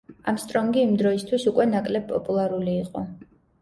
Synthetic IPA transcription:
amst̪ʼɾɔŋɡiːmd̪ɾɔist̪ʰwisukʼwɛnakʼlɛb̚pʼːɔpʼulˠaɾuliːqʼɔ

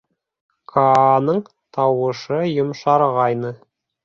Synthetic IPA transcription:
kʰɑnɤɴ | t̪ʰɑwɤ̆ʃɤjŏmʃɑɾʁɑjnɤ

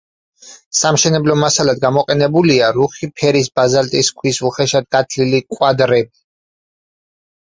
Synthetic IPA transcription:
samʃɛnɛblɔmasalad̪ɡamɔqʼɛnɛbuliaɾuχipʰɛɾisbazalt̪ʼiskʰwisuχɛʃad̪̚ɡat̪ʰlilikʼwad̪ɾɛb̚i

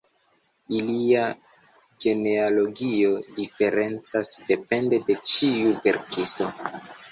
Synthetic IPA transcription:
ilia | ɡe̞ne̞alo̞ɡio̞dife̞ɾe̞nt͡sasd̥e̞pe̞nde̞de̞t͡ʃiuve̞̰ɾkʰisto̞

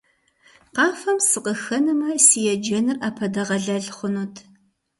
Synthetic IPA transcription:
qɑːfɐmsɨqəxɐnɨmɐsijɛd͡ʒɐnɨraːpʰɐdɐʁɐɮɐɮχʷʊnuːtʰ

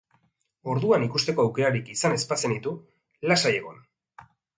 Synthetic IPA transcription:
o̞ɾðuanikust̪e̞ko̞awke̞ɾaɾikisane̞spat͡se̞nit̪u | lasaje̞ɣ̞o̞n

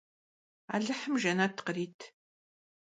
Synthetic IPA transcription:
a̰ːɮɨħəmʒɐnatʰqəɾiːtʰ

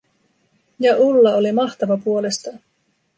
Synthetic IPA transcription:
jɑʔulːɑo̞limɑht̪ɑʋɑpuo̞le̞st̪ɑ

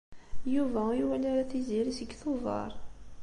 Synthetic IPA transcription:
juvæjuwælaɾæθiziɾisəɡθovˤɑ̰ɾˤ

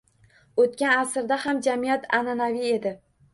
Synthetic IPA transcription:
ot̪̚kʲanasɾd̪ahamd͡ʒamijat̪ʰananavie̞d̪ɪ

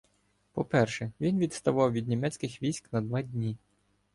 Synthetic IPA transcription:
pɔpɛrʃɛʋʲinʋʲid̪st̪ɐʋɑwʋʲid̪ʲnʲimɛt͡sʲkɪxʋʲijsʲknɐd̪ʋɑd̪ʲnʲi

